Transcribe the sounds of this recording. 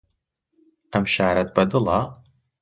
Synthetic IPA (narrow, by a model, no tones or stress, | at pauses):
ɐmʃaːɾɐt̪̚bɐd̪ɨlɑː